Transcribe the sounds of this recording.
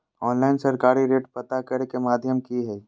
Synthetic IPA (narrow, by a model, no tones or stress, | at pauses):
ɔːnlaɪnsɐɾkaːɾiɾeːʈpɐt̪akəɾekemaːd̪ʱjəmkiɦɛː